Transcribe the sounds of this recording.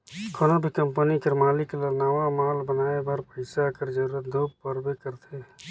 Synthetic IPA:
kʰoːnobʱikə̃mpənikəɾmaːlɪklənaʋamaːlbənaːebaːɾpəɪsakəɾd͡ʒəɾuːɾət̪̚d̪oːbpəɾbekəɾt̪ʰe

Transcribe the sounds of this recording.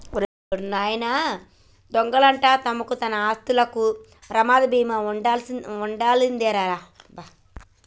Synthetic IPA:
ɾ | ɾnaːjɐnɐ | d̪ɔŋɡɐɭɐɳʈat̪ɐmɐkut̪ɐnɐaːst̪ulɐku | pɾɐmaːd̪ɐbiːmɐuɳɖauɳɖaːlind̪eːɾaːɾaː | ba

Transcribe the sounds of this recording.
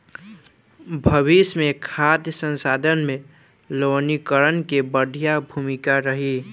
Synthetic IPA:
bʱəβismekʰat̪jəsə̃nsad̪ʱənmẽ | lonikəɾənkebəɖʱijabʱumikaɾəɦi

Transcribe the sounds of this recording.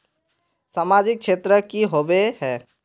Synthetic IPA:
saːmaːd͡ʒɪk̚ʃʰeːt̪ɾəkiɦoːbeɦɛː

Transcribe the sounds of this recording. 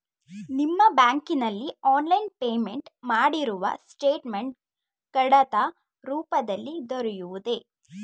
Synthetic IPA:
nimːɐbaːŋkinɐlːiaːnlɐjnpeːmeɳʈmaːɽiɾuʋɐ̰sʈeːʈmeɳʈ̚ | kɐɽɐt̪ɐ | ɾuːpɐd̪ɐlːid̪ɔɾɛjuʋud̪e̞

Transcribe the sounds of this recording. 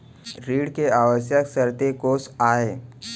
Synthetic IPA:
ɾiːɽkeaʋəsjəksəɾt̪ekosaɦe

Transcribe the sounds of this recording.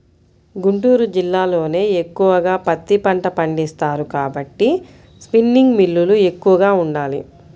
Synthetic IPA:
ɡuɳʈuːɾud͡ʒilːaːlo̞ːne̞ːekːuʋɐɡaːpɐt̪ːipɐɳʈɐpɐɳɖist̪aːɾukaːbɐʈːi | spinːiŋɡmilːulue̞kːuʋɐɡaːuɳɖaːli

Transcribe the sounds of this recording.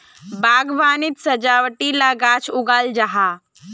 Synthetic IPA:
baːɡʋaːnit̪sɐd͡ʒaːwʈilaɡaːt͡ʃʰʊɡaːld͡ʒaɦa

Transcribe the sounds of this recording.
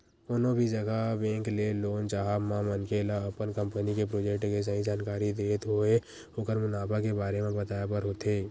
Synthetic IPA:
ʊnõbʱid͡ʒəɡabẽːŋkleloːnt͡ʃaːɦamãmənkelaɐpənkə̃mpənikepɾoːd͡ʒekʈkes̬əɦĩd͡ʒaːnkaːɾid̪eːt̪ɦoe | ʊkəɾmʊnaːbakebaːɾemẽbət̪aːjapəɾɦoːt̪ʰeː

